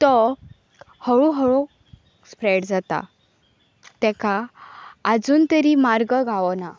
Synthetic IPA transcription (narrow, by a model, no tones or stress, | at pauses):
t̪ɔ | həɭuɦəɭo | spɾɛɽd͡zat̪a̰ | t̪ɛ̃kaː | d͡zuːnt̪əɾimaɾɡəɡʱaʋɔna